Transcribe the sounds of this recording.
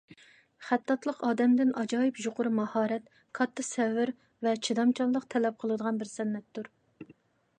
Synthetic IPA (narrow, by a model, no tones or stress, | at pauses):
χæt̪ːɑt̪lˠəqɑːd̪ɛmd̪ɪnɑd͡ʒɑːjɪpjuqʰʊɾmɑhɑːɾɛt̪ | kʰɑt̪ːɨsɛvːɪɾ | vɛt͡ʃʰid̪ɑmt͡ʃʰɑnlˠəqt̪ʰɛlɛp̚qʰəlˠɨd̪əʁɑnbɪɾsɛnːɛt̪ːuɾ